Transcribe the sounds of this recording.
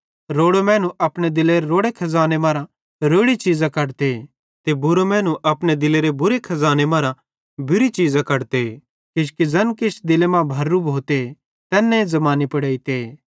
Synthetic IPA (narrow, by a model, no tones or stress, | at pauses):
ɾoːɽomɛ̃ːnũʔɐpɽ̃ed̪ɪleɾeɾoːɽekʰɐzaːnemãːɾã | ɾoːɽit͡ʃiːzãkɐɽt̪e | t̪ebʊɾomɛ̃ːnũʔɐpɽ̃ed̪ɪleɾebʊɾekʰɐzaːnemãːɾã | bʱɪɾit͡ʃiːzãkɐɽt̪e | kɪʃkizɐnkɪt͡ʃd̪ɪlemãbʱɐɾːubʱoːt̪e | t̪ɛːnːẽzɐmaːnipɐɽeːit̪eː